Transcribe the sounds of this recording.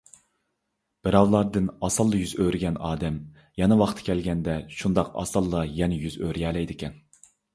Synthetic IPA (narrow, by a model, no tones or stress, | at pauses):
b̥ɪɾɑwlˠɑɾd̪ɨnɑsɑlˠːɨjyzøɾɪɡʲɛnɑːd̪ɛm | jɛnɛwɑχt̪ʰɨ̥kʲʰɛlɡʲɛnd̪ɛʃund̪ɑqɑ̰sɑlˠːɑjɛnɛjyzøɾjɛːlɛjd̪ɪkʲɛn